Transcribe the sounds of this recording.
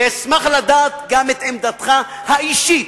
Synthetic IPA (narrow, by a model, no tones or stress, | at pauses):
esmaχlad̪aːt̪̚ɡamet̪emd̪at̪χa | haiʃit